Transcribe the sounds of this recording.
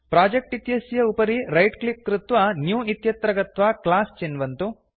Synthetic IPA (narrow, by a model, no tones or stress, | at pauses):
pɾaːd͡ʒek̚ʈit̪jɐsjɐupɐɾiɾɐjʈklip̚ːɾut̪ʋɐnjuːit̪jɐt̪ɾɐɡɐt̪ʋaklaːst͡ʃenʋɐnt̪u